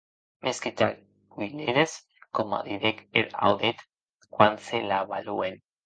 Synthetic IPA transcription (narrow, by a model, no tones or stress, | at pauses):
meskit̪ak | ɡwileɾes | koma̰ðiðekeɾa̰wðet̪ | kwanselaβaluen